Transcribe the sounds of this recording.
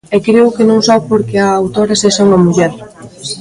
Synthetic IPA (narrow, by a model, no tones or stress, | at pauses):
ɛkɾeʊkenõŋsaβpoɾkeaːwt̪oɾaseʃaŋɐmuʎɛɾ